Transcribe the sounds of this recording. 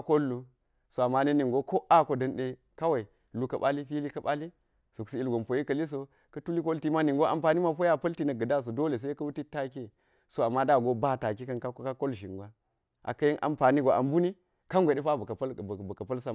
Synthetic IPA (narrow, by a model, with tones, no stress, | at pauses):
ko˦lːu˨ | so˨a˨mːa˦ne˦ni˨ŋɡo˦ko˦a˦ko˨dɐ˨nɗe˦ | ka˦wa˨i˨ | lu˦kɐ˨ɓa˦li˦ɸi˦li˦kɐ˦ɓa˦li˦ | so˨ksi˦i˦lɡo˨mpo˨ji˦kɐ˨li˦s̬o˦ | kɐ˦tu˦li˦ko˦lti˦ma˦ni˨ŋɡo˦ʔa˨mpa˨ni˦ma˦po˦ja˦pɐ˦lti˦nɐ˨ɡɐ˨da˦s̬o˨do˦le˨s̬e˦kɐ˦wu˦ti˦ta˦ke˦ | so˦a˨mːa˦da˦˨ɡo˦ba˦˨ta˨ki˦kɐ˦nka˦ka˦ko˦lʒi˨ŋɡʷa˦ | ʔa̰˨kɐ˦ji˦ʔa̰˨mpa˨ni˦ɡo˨ʔa˨mbu˦ni˦ | ka˦ŋɡʷe˨ɗe˦ɸa˦˨˦bɐ˨kɐ˨pɐ˦lsa˦˨